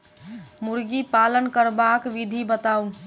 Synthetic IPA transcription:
muɾɡipalənkəɾbakʋid̪ʱibət̪aun

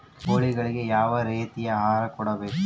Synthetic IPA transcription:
koːɭɪɣɐɭɪkejaːʋɐɾeːt̪ːɪjɐɦaːɾɐkːuːɽɐʋe

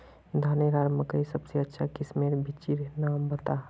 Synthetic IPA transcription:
d̪ʱaːneɾaːɾməkəisɐbseɐtːʃʰakɪsmeɾbʱit͡ʃiɾnaːmbət̪a

